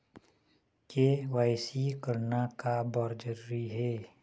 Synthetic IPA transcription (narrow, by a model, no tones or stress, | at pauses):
kewaːɪsikəɾnakabɔɾd͡ʒəɾuɾiɦeː